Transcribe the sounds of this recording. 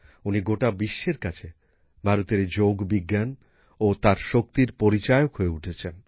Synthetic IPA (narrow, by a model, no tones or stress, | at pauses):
uniɡoʈabiʃːeɾkat͡ɕʰe | bʱaɾot̪eɾd͡ʑoɡbiɡːan | ot̪aɾʃokt̪iɾpoɾit͡ɕaeokɦoeuʈʰet͡ɕʰen